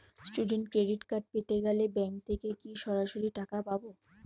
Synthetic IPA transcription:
sʈuɖeɳʈkɾeɖiʈkaɾɖ̚pet̪eɡɛlebɛŋk̚t̪ʰekekiʃɔɾaʃoɾiʈakapabo

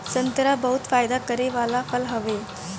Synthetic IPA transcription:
sənt̪ɾabəɦut̪fajd̪akəɾeʋalafəlɦəʋe

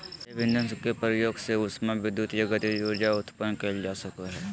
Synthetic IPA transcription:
ebɪ̃nd̪ə̃nskepɾəjoːɡseʊsmẽʋɪd̪ːut̪jɐɡət̪joːd͡ʒaʊt̪pənːkəld͡ʒaːsəkəɦɛː

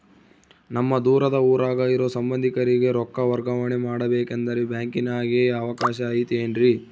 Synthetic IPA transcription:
nɐmːɐd̪uːɾɐd̪ɐuːɾaːɡaːjiɾo̞ːsɐmbɐnd̪ʱikɐɾiɡe̞ɾɔkːɐʋɐɾɡɐʋɐɳimaːɽɐbeːkend̪ɐɾebjaːŋkinaːɡeːɐʋɐkaːʃɐːjt̪ieːnɾi

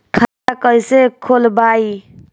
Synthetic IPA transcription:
kʰatakəjsekʰolbai

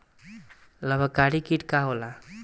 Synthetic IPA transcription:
ləbʱəkaɽikiʈkaɦola

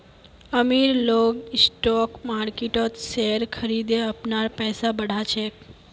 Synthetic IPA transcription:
əmiɾloɡɪsʈɔkmaːɾkiʈot̪seɾkʰəɾid̪eəpnaɾpɛːsabəɽ̤at͡ʃʰe

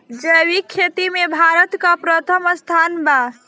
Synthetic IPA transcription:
d͡ʒəwikʰːet̪imebʱaɾət̪kapɾət̪ʰəməst̪ʰanba

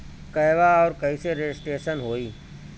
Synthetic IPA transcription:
kɐjʋaɔːɾkɐiseɾed͡ʒɪsʈɾeːʃənɦoːiː

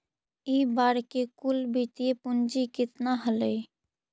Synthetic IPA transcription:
iːbaːɾkekʊlbʱit̪iepʊnd͡ʒikɪt̪naɦələi

